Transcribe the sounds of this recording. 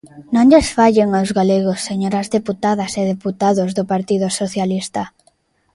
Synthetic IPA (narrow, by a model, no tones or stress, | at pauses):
nõŋʎesfaʎeŋozɣaleɣosːeɲoɾazðeput̪aðaseð̞eput̪aðozðʊpaɾt̪iðʊsoθjalist̪a